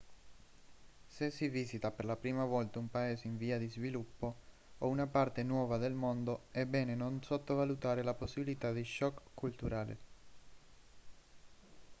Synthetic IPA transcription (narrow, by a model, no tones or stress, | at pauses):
sesːiviːsit̪aperlapɾiːmavɔlt̪aumpaeːzeiɱviːad̪izvilupːo | ounapart̪enwɔːvad̪elmond̪oɛbːɛːnenonsot̪ːovalut̪aːɾelaposːibilit̪ad̪iʃɔkːult̪uɾaːlḛ